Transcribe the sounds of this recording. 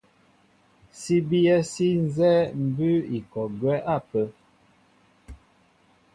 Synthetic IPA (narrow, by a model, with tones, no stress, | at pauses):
si˦bi˦ɛ˦si˦n̩˦zɛ˦m̩˨bʉ˦i˨kɔ˨ɡɥɛ˦ʔa˦˨pə˦